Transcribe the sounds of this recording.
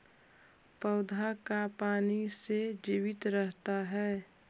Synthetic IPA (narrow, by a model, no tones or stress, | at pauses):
pəʊd̪ʱakapaːnised͡ʒiːʋɪt̪ɾəɦt̪aɦɛː